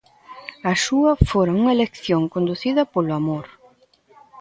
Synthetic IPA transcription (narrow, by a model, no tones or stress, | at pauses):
ɐʃuɐfoɾɐuŋɐelekθjoŋkond̪uθiðɐpolʊamoɾ